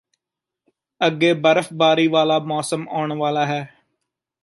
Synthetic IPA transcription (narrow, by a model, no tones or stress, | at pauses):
əɡːeːbəɾəfbaːɾiːʋaːlaːmɔːsəmaːɳʋaːlaːɦɛː